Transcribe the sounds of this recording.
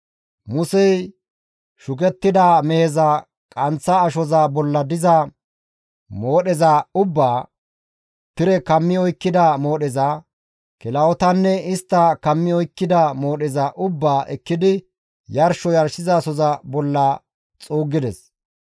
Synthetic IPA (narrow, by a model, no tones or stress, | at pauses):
mʊsɛj | ʃʊkɛt̪ːɪd̪amɛhɛzɐ | kʼɐnt͡sːɐːʃɔzɐbɔlːɐd̪ɪzɐ | moːɗɛzɐʊbːaː | t̪ɪɾɛkɐmːɪɔjkːɪd̪ɐmo̞ːɗɛzɐ | kɪlɐɔt̪ɐnːɛɪst̪ːɐkɐmːɪɔjkːɪd̪ɐmo̞ːɗɛzɐʔʊbːaːʔɛkːɪd̪ɪ | jɐɾʃɔjɐɾʃɪzaːsɔzɐbɔlːɐ | t͡sʼuːɡːɪd̪ɛs